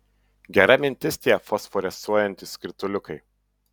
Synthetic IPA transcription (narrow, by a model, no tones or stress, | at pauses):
ɡʲɛɾɐmʲɪnʲt̪ʲɪsʲt̪ʲeːɛfɔsfɔɾʲɛsuɔjɛnʲt̪ʲɪsʲkʲɪɾʲt̪ʊlʲʊkɐɪ